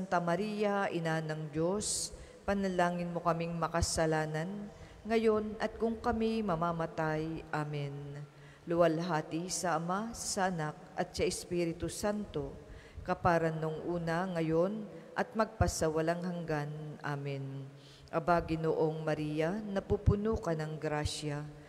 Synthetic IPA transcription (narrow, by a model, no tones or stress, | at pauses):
ant̪ɐmɐɾijɐʔɪnanɐŋd͡ʒo̞s | pɐnɐlaːŋɪnmo̞kɐmiŋmɐkɐsɐlaːnɐn | ŋɐjo̞nʔɐt̪̚kʊŋkɐmimɐmamɐt̪ajʔaːmɪn | lʊwɐlɦaːt̪ɪsɐʔɐmasɐʔɐnak̚ʔɐt̪̚sɐʔɪspiːɾɪt̪ʊsant̪o̞ | kɐpaːɾɐnoŋʔuːnɐŋɐjo̞nʔɐt̪̚mɐɡ̚pɐsɐwɐlaŋɦɐŋɡanʔaːmɪn | ʔɐbaɡɪnoʔo̞ŋmɐɾiːjɐnɐpupʊnuːkɐnɐŋɡɾaʃɐ